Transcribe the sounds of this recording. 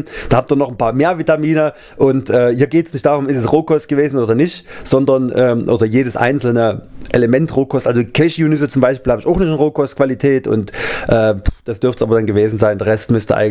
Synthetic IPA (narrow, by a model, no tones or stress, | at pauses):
d̥anhap̚tiːɐnɔχn̩pʰaːɐmeːɐvitamiːnə | ʔʊntʔɛːhiːɐɡeːtsnɪçtd̥aːʁʊmɪsɛsʁoːkɔstɡ̥əveːzn̩oːdɐnɪçtz̥ɔndɐnʔɛːʔo̰ːdɐjeːdəsʔa̰ɪnsl̩nəʔeləmɛntʁoːkʰɔstʔalzokʰɛʃjuːnɪs̬ət͡sʊmbaɪʃpiːlhaːbɪçaʊxnɪçnʁoːkʰɔstkv̥alitʰɛːtʊ̰ntʔɛːpʰːd̥asd̥ʏɐftaːbɐdanɡəveːzn̩zaɪnd̥eːɐɛstmʏstə̰ʔa̰ɪ